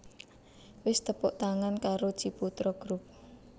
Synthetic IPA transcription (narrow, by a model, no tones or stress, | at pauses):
wɪst̪əpʊʔt̪aŋankaɾo̥d͡ʒ̥iput̪ɾɔɡ̥ɾup̚